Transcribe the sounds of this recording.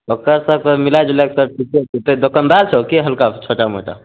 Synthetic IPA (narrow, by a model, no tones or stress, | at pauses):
okəɾsəkəmilad͡ʒelaksəb̚ʈʰiket̪ed̪okənd̪alt͡ʃʰɛokeɦəlkat͡ʃʰoʈamo̰ʈa̰